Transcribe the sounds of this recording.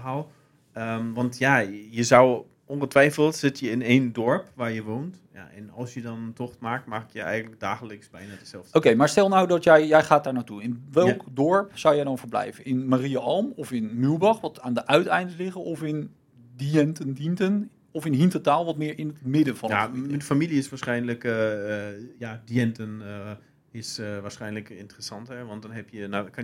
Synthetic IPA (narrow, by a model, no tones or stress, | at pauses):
ɦalˠ | əʋɑntjajəzaw | ɔnχətʋɛjfəlˠtsɪtjəɪneːndɔɹpʋaːɹjəʋoːnt | ja̰ɛ̰nɔlˠsjədɔntɔxmaːk̚makkjəɛ̰jɣən̩tləɡ̚daːɣələksbɛjnadəsɛlˠokejmaːɹstɛlˠnɔwdɔtjɛjjɛjχaːtdaːɹnaːtuɪnʋɛlˠkdɔɹpsɔwjɛjdɔnfəɹblɛ̰jvənɪnmariaɔlˠmɔfɪnmylˠbɑχʋɔtaːndəʔœɥtɛjndlɪχəɔfɪn | diɛntəndintən | ɔfɪnɦintotaːlˠʋɔtmɪːɹɪnətmɪdəfɔnadəfamiliɪsʋaːɹsχɛjnlək | jadiɛntən | ɪsʋaːɹsχɛjnləkɪ̰ntərəsɑnthɛʋɑnt̚dɔnɦɛpjənak